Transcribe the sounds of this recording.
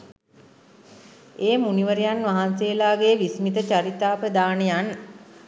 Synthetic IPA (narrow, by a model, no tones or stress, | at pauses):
eːmuniʋəɾejanʋaɦanseːlaːɡeːʋismit̪ət͡ʃaɾit̪aːpəd̪aːnejan